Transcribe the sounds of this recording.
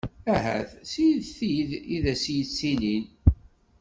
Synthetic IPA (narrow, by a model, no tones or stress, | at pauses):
æɦæ̰θsijðθijðiðæsijət͡sːinin